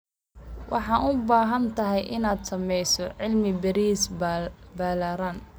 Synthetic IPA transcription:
wʔɑ̰ħɑːnʊbaːɦɐnt̪ʰɐɦɛjʔɪnaːd̪sɐmɛjsɔʕɪlmɪbɐɾiːsbɐlaːɾaːn

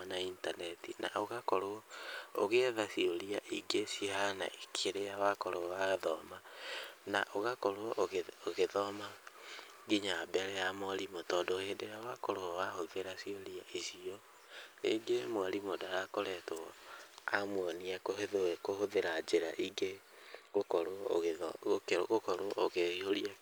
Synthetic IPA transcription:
naintanɛtina̰oɣakɔɾoɔoɣeðasioɾiaʔiɡesihana̰ʔekʰeɾejawakoɾoɔwaðɔmana̰ʔoɣakɔɾoɔʔɣoɣeðɔma | ɡiɲabɛɾɛjamoaɾimotɔdohedejawakɔɾoɔwahoβeɾasioɾiaesiɔ | ḛɡemoaɾimodaɾakoɾɛtɔamwɔniakoheðewekohoðeɾad͡ʒeɾa̰ʔiɡe | ɣokɔɾo̰ɣeɔɣokeoɣokɔɾoʔoɣeoɾia

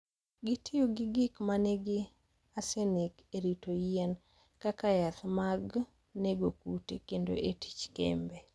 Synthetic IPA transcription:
ɡɪtʰɪjoɡɪɡɪkmanɛɡɪ | asenikeɾitojɛn | kakajat̪maɡ | neɡokutekendo̰ʔeti̥t͡ʃkḛmbe

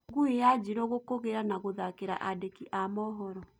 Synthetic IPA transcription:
ɡuijad͡ʒiɾoɣokoɣeɾanaɣoðakeɾa̰ʔadekiʔamɔɦɔɾɔ

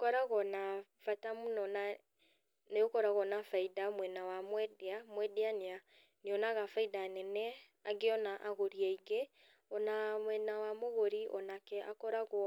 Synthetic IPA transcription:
kɔɾaɣɔnafatamunɔna | neokɔɾaɣɔnafaidamwɛnawamwɛdeamwɛdeanea | neɔnaɣafaidanɛnɛ | aɡeɔnaʔaɣoɾiɛiɡe | ɔnamwɛnawamoɣoɾiʔɔnakɛʔakɔɾaɣɔ

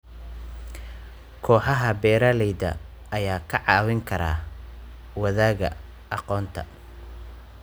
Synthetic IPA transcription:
kʰɔːħɑɦɐbɛːɾɐlɛjd̪ɐ̰ː | jaːkʰɐʕɑːwɪŋkʰɐɾa̰ː | wɐðaːɣɐ | ɑqɔːnt̪ʰɐ̰

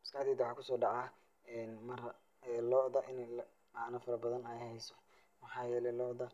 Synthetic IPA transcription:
mɪskɑħd̪iːd̪ʊħɑːkʰʊsɔːɖɑʕɑ | ɛːnmɐr | ɛlɔːðɐʔɪnɛl | ɑnɐfɐɾɐbɐðɐnɛjhɛjsɔ̥ | mɑħɑːjɛːlɛlɔːʔðɐ

